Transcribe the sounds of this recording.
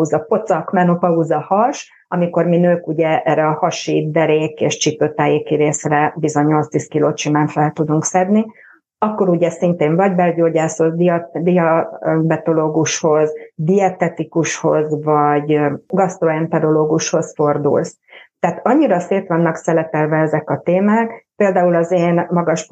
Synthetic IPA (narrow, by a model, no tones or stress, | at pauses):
uzɒpo̞t̪sɒkmɛnopɒuzɒhɒʃ | ɒmiko̞rminøːkuɟɛʔɛːrːɛɒhɒʃid̪ɛɾeːkḛːʃt͡ʃipøːt̪aːjeːkiɾeːsrɛbizo̞ɲːo̞lt̪st̪iːskiloːʃimaːɱfɛlt̪ud̪uŋksɛd̪ni | ɒkːo̞ɾuɟɛsint̪eːɱvɒɟbɛlɟoːɟaːsozd̪id̪iɒbɛt̪o̞loːɡuʃho̞zd̪iɛt̪ɛt̪ikuʃho̞̰zvɒɟɡɒst̪ɾroɛnt̪ɛɾoloːɡuʃho̞sfo̞rd̪ṵls | t̪ɛːt̪ɒɲːiɾɒseːt̪ʋɒnːɒksɛlɛp̪ɛlvɛɛzɛkɒt̪eːmaːkpeːld̪aːulɒzeːnmɒɡɒʃ